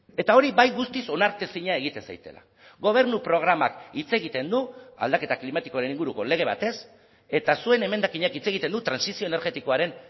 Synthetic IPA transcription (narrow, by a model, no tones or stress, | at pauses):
e̞t̪ao̞ɾibajɣust̪iso̞naɾt̪esiɲae̞ɣit̪e̞nsa̰jt̪e̞̰la̰ | ɡo̞β̞e̞ɾnupɾo̞ɣ̞ɾamakit͡se̞ɣ̞it̪e̞nd̪ua̰ld̪ake̞t̪aklimat̪i̥ko̞aɾe̞niŋɡuɾuko̞le̞ɣ̞e̞β̞a̰t̪e̞s | e̞t̪asue̞ne̞me̞nd̪akiɲakit͡se̞ɣit̪e̞nd̪ut̪ɾansisioene̞ɾɣe̞t̪iko̞aɾe̞n